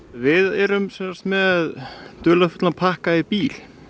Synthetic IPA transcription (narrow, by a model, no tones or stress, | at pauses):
vɪðɛɾʏmsɛnst̪mɛðt̪œːlafɔ̥t̪lanpʰahkaɪpiːl